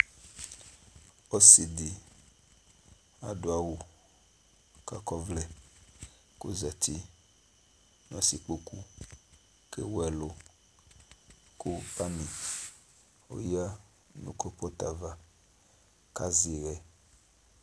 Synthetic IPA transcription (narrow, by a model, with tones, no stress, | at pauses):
ɔ˦si˨di˨ | a̰˨do˨a˦wu˨ | ka̰˨kɔ˦vlɛ˨ | ko˦za˨t̪i˦ | n˦ɔ̃˦si˨k͡po˦ku˦ | kḛ˦wo˦ɛ˨lo˦ | ko˦pa˦nĩ˨ | wo̰˦ja˦ | nṵ̃˦kɔ˦pɔ˦t̪a˨va˨ | ka˦zi˨ɣɛ˦